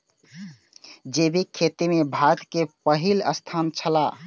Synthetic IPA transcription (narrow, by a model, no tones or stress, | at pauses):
d͡ʒebʱikʰet̪imebʱat̪kepəɦiləst̪ʰant͡ʃʰəla